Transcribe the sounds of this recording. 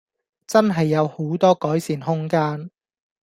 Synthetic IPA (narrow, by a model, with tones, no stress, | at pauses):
t͡sɐ˥nɦɐ˨jːɐ˨˧who˨˥wt̪ɔː˥kɔː˨˥jsiː˨˩nɦʊ˥ŋkaː˥n